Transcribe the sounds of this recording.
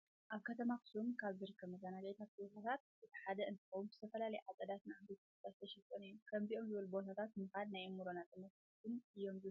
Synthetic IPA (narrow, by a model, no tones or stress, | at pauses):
ʔaβkʰɐt̪ʰɐmakʰɨ̥sumkʰaβzɨɾɨkʰːɐmɨzanaɡet̪ʰat̪̚bot̪ʰat̪ʰat̪̚ɨt̪ʰɨ̥ħad̪ɐʔɨnt̪ʰɨxɐwumzɨ̥t̪ʰɐfɐlalɐjʕat̪ʼɐd̪at̪nɨʕamb̪it̪ | t̪ast̪ʰɐʃɛt̪ʼːɐnɨjːumkʰɐmziʔo̞mzɨβɨlubo̞t̪ʰat̪ʰat̪mɨxad̪najmuɾonat̪ʼɨmɐs | t̪ʰɨnɨjːo̞mzɨ